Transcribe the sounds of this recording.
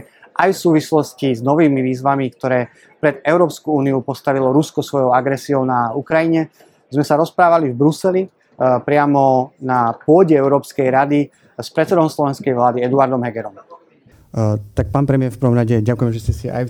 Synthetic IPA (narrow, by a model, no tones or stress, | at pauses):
ʔajfsuːʋislɔsciznɔʋiːmiʋiːzʋamikt̪ɔɾɛː | pɾɛd̪ɛʊɾɔːpskuuːniupɔst̪aʋilɔɾuskɔsʋɔjɔʊaɡɾɛsiɔʊnaukɾajiɲɛ | zmɛsaɾɔspɾaːʋalivbɾusɛli | pɾɪamɔnapʊɔɟɛɛʊɾɔːpskɛjɾad̪i | spɾɛt͡sɛd̪ɔʊmslɔʋɛnskɛjʋlaːd̪iɛd̪uaɾd̪ɔmɦɛɡɛɾɔm | t̪ak̚paːnpɾɛmɪɛɾfpəɾ̩ʋɔmɾaɟɛɟakujɛmɛʒɛscɛsia̰j